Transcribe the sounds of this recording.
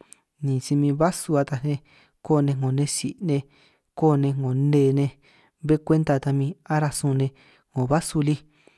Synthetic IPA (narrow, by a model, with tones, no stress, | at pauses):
nĩ˨si˧mĩ˧βa˦su˧a˧t̪a˧nẽ˧ | ko˦˨nẽ˧ŋõ˨nẽ˧si˨nẽ˧ | ko˦˨nẽ˧ŋõ˨ne˧˨˧nẽ˧ | βe˦kʷe˦nt̪a˧t̪a˧mĩ˧a˦ɾa˧sũ˧nẽ˧ | ŋõ˨βa˦su˧li˦